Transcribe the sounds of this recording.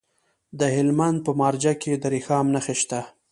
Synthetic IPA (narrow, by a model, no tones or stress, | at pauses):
d̪əhɪlmand̪̚pəmɑɾd͡ʒaked̪əɾixɑmnaxeʃt̪a